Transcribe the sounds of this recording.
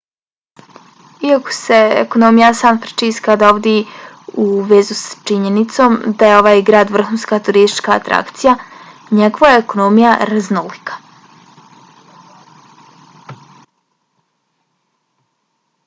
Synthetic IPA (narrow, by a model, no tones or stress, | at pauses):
iako̥se̞ḛkono̞mijasaːnfɾet͡ʃiːskad̪aoʋd̪e | uʋeːzust͡ʃiɲenit̪so̞ːmd̪aje̞o̞ʋaːjɡɾaːd̪ʋr̩xunskat̪uɾist̪i̥t͡ʃkaːt̪ɾʔa̰kt̪sijaɲeɡoʋaeekonoːmijaɾaznolikḁ